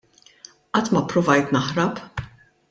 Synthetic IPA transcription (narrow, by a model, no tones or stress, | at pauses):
ʔɐt̪ːmɐpːɾʊvɐjt̪nɐħɾɐp